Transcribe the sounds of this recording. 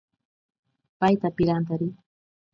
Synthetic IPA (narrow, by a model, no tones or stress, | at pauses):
pajt̪apɪɾant̪aɾɪ